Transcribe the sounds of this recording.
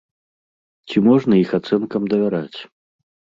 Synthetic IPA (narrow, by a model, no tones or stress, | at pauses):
t͡sʲimɔʐnɐixat̪sɛnkɐmd̪ɐvʲaɾat͡sʲ